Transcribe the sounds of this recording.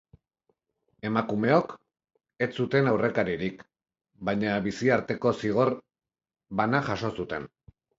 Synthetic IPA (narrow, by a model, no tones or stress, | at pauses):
e̞makume̞o̞k | e̞t͡sut̪e̞nawre̞kaɾiɾik | bajɲaβisiaɾt̪e̞ko̞siɣ̞o̞ɾ | βanaʝaʃo̞sut̪e̞n